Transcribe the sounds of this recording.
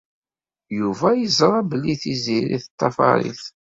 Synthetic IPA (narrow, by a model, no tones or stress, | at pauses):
juvæjəzɾˤɑbəlːiθiziɾḭθət̪ˤːɑfɑ̰ɾḭθ